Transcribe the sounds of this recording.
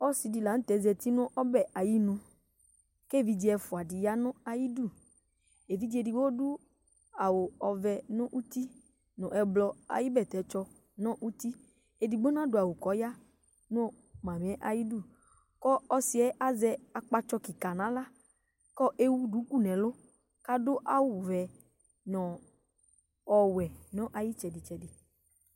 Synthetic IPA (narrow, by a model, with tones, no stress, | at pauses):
ɔ˦si˨di˨la˨ñ̩˦t̪ɛ˨˦zɛ˨t̪i˦nʊ̃˦ʔɔ˦bɛ˨ʔa˨ji˦nũ˦ | ke˦˨vi˨d͡ʒi˨˦ɛ˨fʊ˨a˨di˨ja˦nʊ̃˦a˨ji˦du˦˨ | e˨vi˦d͡ʒi˦e˨di˨wo˦du˦ | a˨wo˨ɔ˨vɛ˨nʊ̃˦ʔu˦t̪i˦ | nʊ̃˨ʔɛ˨blɔ˨a̰˨ji˦bɛ˨t̪ɛ˨˦t͡ʃɔ˦ | nɔ̃˦ʔu˦t̪i˦ | e˨di˨ɡ͡bo˦nã˦du˦˨a˨wo˨kɔ˨˦ja˦ | nõ˦ | mã˨m̃˨ɛ˦ʔa˨ji˦du˦˨ | kɔ˦ɔ˦si˨˦ɛ˦ʔa˦zɛ˦a˨k͡pa˧t͡ʃɔ˧ki˨ka˨nã˨˦la˦ | kɔ˦ʔe˦wu˦du˨˦ku˦˨nɛ̃˨lʊ˦ | ka˦dʊ˦ʔa˦wʊ˨vɛ˨ | nɔ̃˨ | ɔ˨wɛ˨nɔ̃˦ʔa˨ji˦t͡ʃɛ˨dɪ˨t͡ʃɛ˨dɪ˨